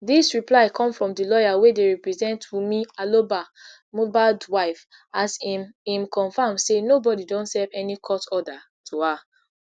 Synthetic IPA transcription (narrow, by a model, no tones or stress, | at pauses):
disɹiplaɪkʰɔ̃mfɹɔ̃mdilɔjawedeɹipɹizɛ̃ntwimialoba | mobaldwaɪf | asĩmkʰɔ̃nfãmsenobɔdidɔ̃ntsɛvɛnikʰɔtɔda | tʰua